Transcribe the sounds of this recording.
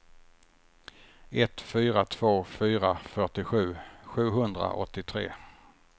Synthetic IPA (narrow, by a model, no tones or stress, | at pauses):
ɛt̪fyːɾat̪ʰv̥oːfyːɾafœʈɪɧʉ̟ːɧʉ̟ːɦɵnd̪ɾa̰ʔɔ̰t̪ːɪt̪ʰɾḛː